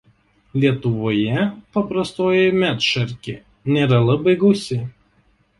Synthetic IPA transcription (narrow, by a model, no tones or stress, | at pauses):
lʲiɛt̪ʊʋoːjɛpɐpɾɐst̪oːjɛmʲæt̪ʃɐɾʲkʲḛ | nʲeːɾɐlˠɐbɐɪɡɐʊsʲɪ